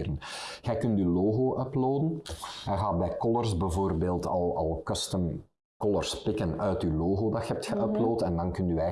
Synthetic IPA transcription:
ɾənɣ̥ɛjkɵntyloːɣoːʔœploːdənɛɣaːt̚bɛjkɔlərsbɛvoːrbeːlˠtɑ̰lˠɑlˠkøstən | kɔlərspɪkənœɥtyloːɣoːdɑtxɛp̚txəʔœploːtɛndɑnkɵntyɛ

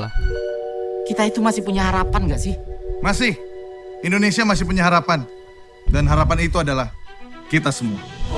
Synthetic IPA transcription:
la | kit̪ait̪umasɪhpuɲaɦaɾapanɡaʔsɪhmasɪhindonesiamas̬ɪhpuɲaɦaɾapan | danɦaɾapanit̪uadalahkit̪asəmua

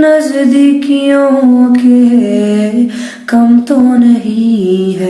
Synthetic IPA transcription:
nɐzɪ̃d̪iːkijõke | kɐmt̪onɐɦĩɦɛː

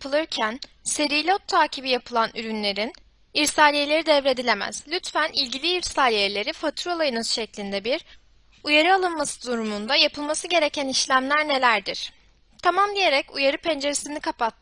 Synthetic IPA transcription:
pʰɯlˠɯɾcʰæn | se̞ɾijlʲot̪ʰːaːcʰibijapʰɯlˠanyɾynlʲe̞ɾin | iɾsaːlʲijelʲe̞ɾid̪ɛvɾe̞d̪ilʲe̞mæ̰z̥lʲyt̪fænilʲɟilʲiːɾsaːlʲijelʲe̞ɾifat̪ʰɾolˠajɯnazʃɛclʲind̪ɛbiɾ | ujaɾɯalˠɯnmasɯd̪uɾumund̪ajapʰɯlˠmasɯɟe̞ɾe̞cʰæniʃlʲæmlʲæɾne̞lʲæɾd̪iɾ̥ | t̪ʰamamd̪ije̞ɾɛcujaɾɯpʰɛnd͡ʒe̞ɾesinikʰapat̪ʰː

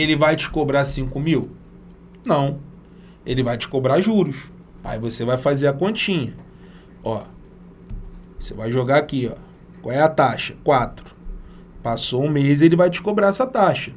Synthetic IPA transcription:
elɪvajd͡ʒɪ̥kobɾasĩŋkʊmiw | nɐ̃w̃ | elɪvajt͡ʃɪ̥kobɾaʒuɾʊʃ | a̰ivosevajfazeɾɐkõt͡ʃĩɲɐ | ɔ | osevajʒoɡaakiɔ̰ | kwa̰wɛɐt̪aʃɐ̥kwat̪ɾʊ̥ | pasoũmezielɪvajt͡ʃɪ̥kobɾaɛsɐt̪aʃɐ̥

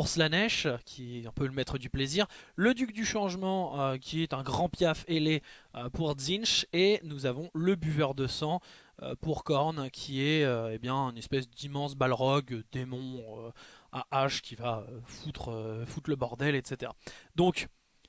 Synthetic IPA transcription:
uʁslanɛʃkʲʰiɔ̃pøləmɛt̪χəd̪ypleziʁləd̪yk̚d̪yʃɑ̃ʒmɑ̃økʲiɛt̪ɛ̃ɡʁɑ̃pjafeleøpuʁd̪zinʃenuzavɔ̃ləbyvœʁd̪əsɑ̃ø̰puʁkɔʁnkʲʰiɛøebjɛ̃ɛnɛspɛsd̪imɑ̃sbalʁɔɡd̪emɔ̃øaʔaʃkʲivaøfut̪χøfut̪ləbɔʁd̪ɛlɛt̪set̪eʁa̰d̪ɔ̃k

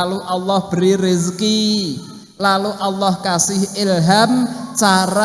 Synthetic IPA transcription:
luʔɑlːɔhb̥əɾirizki | laluʔɑlːɔhkasɪhɪlɦamt͡ʃaɾa

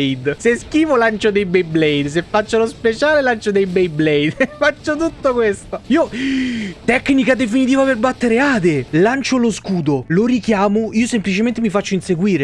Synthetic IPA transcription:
jd̪seskiːvolant͡ʃod̪ejbejblɛjd̪s̬efːat͡ʃːolospet͡ʃaːlelant͡ʃod̪ejbejblɛjd̪fat͡ʃːot̪ut̪ːokwest̪oiːo | t̪ɛkːnikad̪efinit̪̬iːvaperbat̪ːeɾeaːd̪elant͡ʃoloskuːd̪oloɾikjaːmoiːosemplit͡ʃement̪emifat͡ʃːoinseɡwiːɾe

